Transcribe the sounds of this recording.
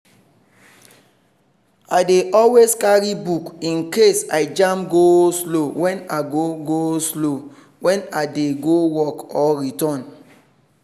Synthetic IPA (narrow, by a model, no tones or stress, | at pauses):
adeʔɔlweskaɹibukĩnkesaɪd͡ʒãmɡoslowɛ̃naɡoɡoslo | wɛ̃nadeɡowɔkɔɹitɔ̃n